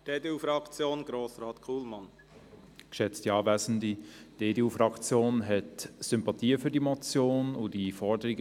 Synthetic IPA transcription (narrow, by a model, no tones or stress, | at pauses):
d̥eːdeufɾɑkt͡sjoːnɡ̥ɾoːsɾɑːt̪kʰuːlmɑn | kʃɛt͡stiɑːvɛɪzn̩did̥eːdeuːfɾɑkt͡sjoːnɦɛtsʏmpɑtʰiːəfyːɐdimɔt͡sjoːnʊd̥ifɔɹdəɾiɡ